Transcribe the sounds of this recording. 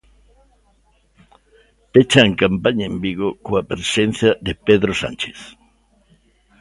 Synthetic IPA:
pet͡ʃaŋkampaɲaembiɣokoapɾesen̟θjɐðepeðɾosã̰nt͡ʃe̥θ

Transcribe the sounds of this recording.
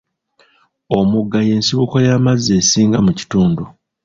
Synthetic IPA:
omuɡːaje̞ːnsiβukojaːmazːe̞ːsiːŋɡamuci̥tuːndu

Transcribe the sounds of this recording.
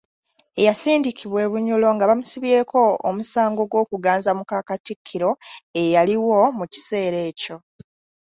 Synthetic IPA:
e̞jasiːndikiβwe̞ːβuɲulo̞ŋɡaβamusiβje̞ːkʰo̞omusaːŋɡo̞ɡwo̞ːkuɡaːnzamukakatikʰːiɾo̞e̞jaliwo̞muci̥se̞ːɾe̞ːco̞

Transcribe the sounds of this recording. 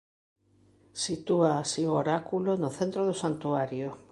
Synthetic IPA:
sit̪uaːsiooɾakulonoθent̪ɾoðosant̪uaɾjo

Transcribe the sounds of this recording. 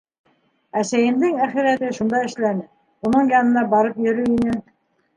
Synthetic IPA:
æsæjɘ̆md̪ɘŋæχiɾæt̪ɘʃund̪ɑɘ̆ʃlænɘ | unɤɴjɑnɤ̆nɑbɑɾɤpjɵ̆ɾɵinɘ

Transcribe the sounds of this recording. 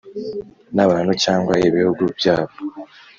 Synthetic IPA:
naβaːn̤ut͡ʃaːŋɡwajiβihuɡubjaːβo

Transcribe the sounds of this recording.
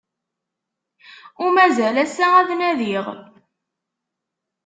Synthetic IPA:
ʊɾmæzælæsææðnæðiʁ

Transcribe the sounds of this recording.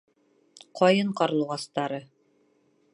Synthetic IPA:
qʰɒjɤɴqɑɾ̆lˠɤ̆ʁɑst̪ɑɾɤ

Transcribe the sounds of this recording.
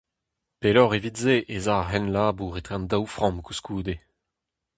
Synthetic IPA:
pelɔʁevitzeʔezaːɦɛnlaːbuːʁet̪χeɑ̃ndawfʁɑ̃mkuskuːd̪e

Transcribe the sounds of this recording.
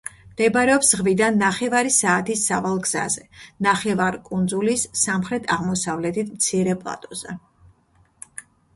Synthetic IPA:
md̪̥ɛbaɾɛɔpsʁvid̪anːaχɛvaɾisaːt̪ʰisavalˠɡz̥a̰zɛnaχɛvaɾkʼund̪zulisːamχɾɛt̪ʰaʁmɔsavlɛt̪ʰit̪ʰmt̪sʰiɾɛpʼlˠa̰t̪ʼɔzɛ

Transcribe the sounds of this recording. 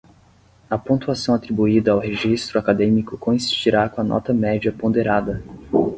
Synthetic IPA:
ɐpõt̪uasɐ̃w̃at̪ɾibuid̪ɐawɦeʒist̪ɾʊakad̪ẽmikʊkõĩsi̥st͡ʃiɾakõɐnʔɔ̰t̪ɐmɛd͡ʒiɐpõnd̪eɾad̪ɐ

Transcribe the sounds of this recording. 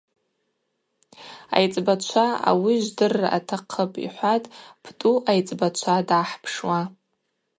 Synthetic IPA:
a̰jt͡sʼbat͡ʃʷʰaa̰wiʒʷdɨrːaʔa̰tʰaqʰəpʼḭħʷatʼpʰtʼuʔajt͡sʼbat͡ʃʷʰadaħpʰʂwa

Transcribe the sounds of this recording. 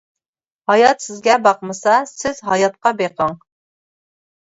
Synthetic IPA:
hɑjɑt̪sɪzɡʲɛbɑqməsɑsɪz̥ɦɑjɑt̪̚qɑbeqʰəŋ

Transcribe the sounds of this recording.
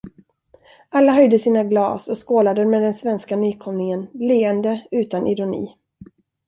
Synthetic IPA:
ʔalːaɦœjd̪əsiːnaɡlɑ̰ːsɔskoːlad̪əmɛːd̪ɛnsvɛnskanyːkʰɔmnɪŋənleːənd̪əʉ̟ːt̪anʔɪɾʊnḭː

